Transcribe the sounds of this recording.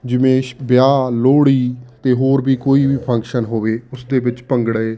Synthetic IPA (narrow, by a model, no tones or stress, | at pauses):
d͡ʒɪmẽːʃbjaːloːɽiːt̪eːɦoːɾbiːkoːiːʋiːpʰə̃ŋkʃənɦoːʋeːʊsd̪eːbɪt͡ʃpəŋɡɽəeː